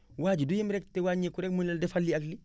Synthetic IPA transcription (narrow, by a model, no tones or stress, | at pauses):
waːd͡ʒidujimɾɛktɛwaɲekuɾɛkmunlɛldɛfalːiakli